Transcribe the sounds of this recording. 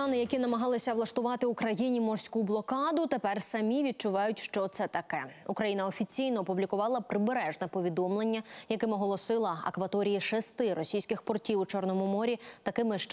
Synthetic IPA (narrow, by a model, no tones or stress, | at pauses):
nɪjɐkinɐmɐɦɑlˠɪsʲɐʋlˠɐʃt̪ʊʋɑt̪ɪukɾɐjinʲimɔrsʲkublˠɔkɑd̪ʊt̪epɛrsɐmʲiʋʲid̪̚t͡ʃʊʋɑjʊtʲʃt͡ʃɔt̪sɛt̪ɐkɛukɾɐjinɐɔfʲit͡sʲijnɔːpublʲikʊʋɑlˠɐpɾɪbeɾɛʒnɛpɔʋʲid̪ɔmlˠe̞nʲːɐjɐkɪmɔɦɔlˠɔsɪlˠɐɐ̰kʋɐt̪ɔɾʲijiʃɛst̪ɪɾɔsʲijsʲkɪxpɔrtʲiwut͡ʃɔrnɔmʊmɔɾʲit̪ɐkɪmɪʃ